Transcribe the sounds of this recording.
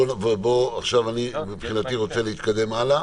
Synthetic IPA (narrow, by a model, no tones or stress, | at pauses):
onvebo̞aχʃavanimipχinat̪iʁo̞t͡se̞leit̪kad̪e̞mala